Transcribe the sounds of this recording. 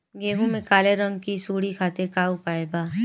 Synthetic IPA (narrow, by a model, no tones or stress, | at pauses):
ɡeːɦũmẽkaːleɾə̃ŋɡkisuːɽikʰaːt̪ɪɾkaːupaːebaː